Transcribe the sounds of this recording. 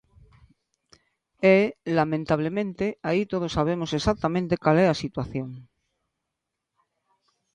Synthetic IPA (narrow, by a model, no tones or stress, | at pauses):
elamẽnt̪aβ̞lemẽnt̪eait̪oð̞osːaβ̞emose̞sak̚t̪amẽnt̪e̞kaleasit̪waθjo̞ŋ